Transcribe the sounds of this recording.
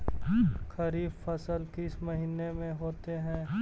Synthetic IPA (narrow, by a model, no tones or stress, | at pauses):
xɐɾiːbfɐsəlkɪsmɐɦiːnemẽɦoːt̪eɦɛ̃ː